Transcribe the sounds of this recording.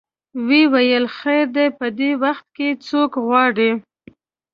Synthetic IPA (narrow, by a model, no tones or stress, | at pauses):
wewajəlxajɾd̪epəd̪ewaxt̪̚ket͡sokɣwɑɽi